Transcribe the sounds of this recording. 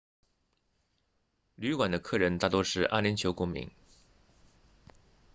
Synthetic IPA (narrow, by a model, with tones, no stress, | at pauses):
ly˧˥kwa˨˩nd̪ə˦kʰɤ˥˩ɻə˧˥nt̪a˥˩t̪wɔ˥ʂɻ̩˥˧ʔa̰˥˩li˧˥nt͡ɕʰjo˧˥ʊkʊ˥˩ŋmḭ˧˥ŋ